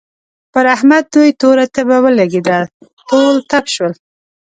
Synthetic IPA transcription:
pəɾahmad̪̚d̪ujt̪oɾat̪əbawəlaɡed̪ət̪olt̪apʃwəl

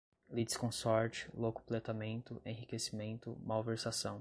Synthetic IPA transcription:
lid̪i̥skõsɔɾt͡ʃɪ̥lokʊ̥plet̪amẽnt̪ʊẽɦikesimẽnt̪ʊmawveɾsasɐ̃w̃

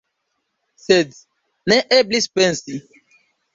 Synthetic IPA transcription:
sed | nɛʔeblispɛ̃nsi

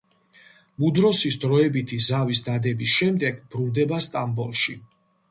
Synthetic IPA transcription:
mud̪ɾɔsisd̪ɾɔɛbit̪ʰizavisd̪ad̪ɛbisʃɛmd̪ɛɡbɾuld̪ɛbast̪ʼambɔlˠʃi

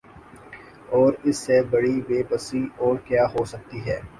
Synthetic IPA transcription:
ɔːɾɪsːebɐɽiʋeːbəsiɔːɾkjaːɦoːsɐk̚t̪iɦɛː

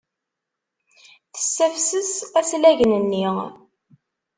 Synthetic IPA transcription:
θə̥sːæfsəsæslæʝnənːi

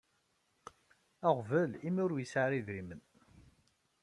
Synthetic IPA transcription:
æʁvəlimʊɾjəsʕaɾiðɾimən

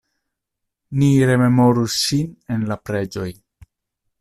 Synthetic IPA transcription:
niɾe̞me̞mo̞ɾusːine̞nlapɾe̞d͡ʒo̞j

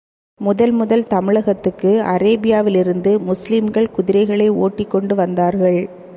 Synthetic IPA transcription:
mʊðɐlmʊðɐlt̪ɐmɪɭɐɣɐt̪ːɯkːɯɐɾeːbɪjaːʋɪlɪɾɯnd̪ɯmʊslɪmɡɐɭkʊðɪɾɐɪɣɐɭɐɪoːʈːɪkːɔɳɖɯʋɐnd̪aːɾɣɐɭ

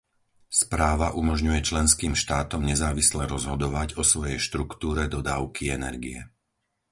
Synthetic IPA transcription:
spɾaːʋaʔumɔʒɲujɛt͡ʃlɛnskiːmʃt̪aːt̪ɔmɲɛzaːʋislɛɾɔzɦɔd̪ɔʋaɟɔsʋɔjɛjʃt̪ɾukt̪uːɾɛd̪ɔd̪aːʊkʰiɛnɛ̰ɾɡiɛ

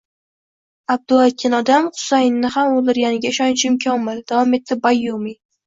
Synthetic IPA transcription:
ab̚d̪ʊlˠakʲʰɪnɒd̪amχʊ̥sajnːɪhamolˠd̪ɪɾɡʲanɪɡʲaɪʃɒnt͡ʃʰɪɪmkʲʰɒmɪld̪̥avɒme̞t̪ʰːɪbajːumi

